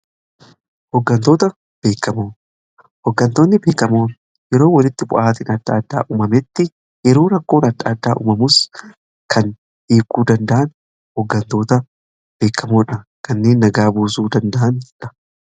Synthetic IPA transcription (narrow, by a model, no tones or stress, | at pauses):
hɔɡːɐnt̪o̞ːt̪ɐ | b̥e̞ːkːɐmoː | hɔɡːɐnt̪o̞ːnːɪbe̞ːkːɐmoː | jɛɾoːwɐlɪt̪ːɪbʊ̰ʔaːt̪ɪnɐd̪ːɐːd̪ːa̰ːʔʊmɐmɛt̪ːɪ | jɛɾoːɾɐkːo̞ːnɐd̪ːaːd̪ːa̰ːʔʊ̰mɐmʊs | kʰɐn | ʔiːkːuːd̪ɐnd̪ɐʔɐn | hɔɡːɐnt̪o̞ːt̪ɐ | b̥e̞ːkːɐmoːᶑɐkɐnːeːnːɐɡaːbuːsuːd̪ɐnd̪ɐʔɐnd͡ʒᶑɐ̥